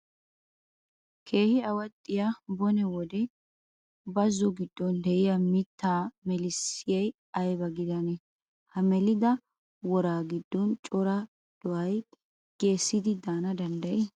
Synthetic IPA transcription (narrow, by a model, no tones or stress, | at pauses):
kʰe̞ːhɪɐwɐt̪ʼːɪjabɔnɛwɔd̪ɛ | bɐzːɔɡɪd̪ːɔnd̪ɛʔɪjɐmɪt̪ːaːmɛlɪsːɪjɛj | ɐjbɐɡɪd̪ɐnɛ | hɐmɛlɪd̪ɐ | wɔɾaːɡɪd̪ːɔnt͡ʃʼɔɾɐ | d̪̥ɔʔɐj | ɡ̥e̞ːsːɪd̪ɪd̪aːnɐd̪ɐnd̪ɐʔɛ